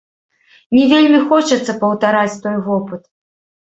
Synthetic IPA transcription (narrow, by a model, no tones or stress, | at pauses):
nʲɛvʲelʲmʲixɔt͡ʂɐt̪sːɐpɐwt̪aɾat͡sʲt̪ɔjvɔpɨt̪